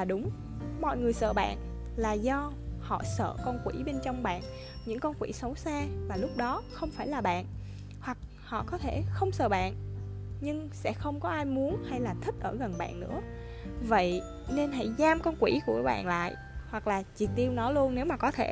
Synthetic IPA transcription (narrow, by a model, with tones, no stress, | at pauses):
aː˨˩ɗʊ˨˦ŋ͡m | mɔ̰˧˨jŋɨ˨˩əjsə̰ː˧˨ɓa̰ː˧˨n | laː˨˩zɔ˧ | hɔ̰˧˨sə̰ː˧˨kɔ˧nkwi˧˩ɓe˧nt͡ɕɔ˧wŋ͡mɓa̰ː˧˨n | ɲɨ̰˧˥ŋkɔ˧nkwi˧˩sə˨˦wsaː˧vaː˨˩lʊ˦˥k͡p̚ɗɔ˨˦xə˧wŋ͡mfaː˧˩jlaː˨˩ɓa̰ː˧˨n | hwa˨˩k̚ | hɔ̰˧˨kɔ˨˦t̪ʰe˧˩xə˧wŋ͡msə̰ː˧˨ɓa̰ː˧˨nɲɨ˧ŋsɛ̰˧˥xə˧wŋ͡mkɔ˨˦ʔaː˧jmu˨˦ənha˧jlaː˨˩t̪ʰï˦˥k̚ʔəː˧˩ɣə˨˩nɓa̰ː˧˨nːɨ̰˧˥ə | və̰˧˨j | ne˧nɦa̰˧˥jzaː˧mkɔ˧nkwi˧˩ku˧˩əɓa̰ː˧˨nla̰ː˧˨jʔ | hwa˨˩k̚laː˨˩t͡ɕi˨˩k̚t̪i˧əwnɔ˨˦lu˧ənːe˨˦wmaː˨˩kɔ˨˦t̪ʰe˧˩